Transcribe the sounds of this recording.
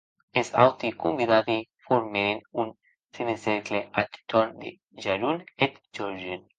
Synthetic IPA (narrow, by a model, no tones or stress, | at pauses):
esa̰wt̪ikumbiðabifoɾmeɾenun | sineseɾkleat̪t̪oɾnd̪ḛ | ʒaɾunet̪d͡ʒoɾʒen